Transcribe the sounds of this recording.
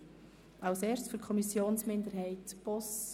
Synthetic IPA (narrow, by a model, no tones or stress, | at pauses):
ʔɑʊseːɾsfykʰɔmisjoːnsmɪndəɾɦɛɪtb̥ɔs